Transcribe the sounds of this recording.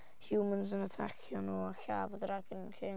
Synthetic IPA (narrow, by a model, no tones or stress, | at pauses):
hjumənzənatʰa̰kʰjɔnɔaɬaːvəðəɾaɡənkʰe